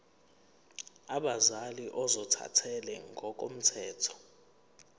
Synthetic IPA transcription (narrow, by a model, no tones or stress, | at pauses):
aɓazaliʔɔzɔtʰa̰tʰɛlɛŋɡʱɔk̬ʼom̩tʰɛːtʰɔ̥